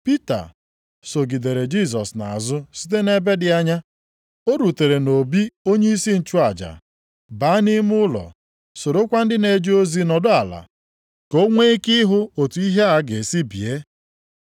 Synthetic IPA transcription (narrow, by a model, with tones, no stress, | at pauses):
pi˦ta̰˨ | so˨ɡi˨de˨ɾe˨d͡ʒi˦s̬ɔ˨sna̰˨zʊ˦si̥˦t̬e˦ne˦be˦dɪ˨a˦ɲa˦ | o˦ɾu˨te˨ɾe˨no˨bi˦o˦ɲe˦i˦si˦n̩˨t͡ʃu˦a˨d͡ʒa̰˨ | ba˨˦ni˦mʊ˦lɔ̰˨ | so˨ɾo˦kʷa˦n̩˦dɪ˦ne˨d͡ʒo˦zi˦nɔ˨dʊ˦a˨la̰˨ | ko˦ŋʷe˦kɪ˦ɦʊ˦o˨tu˨i˦ɦe˦a˨˦ɡe˨si˦bḭ˨e˦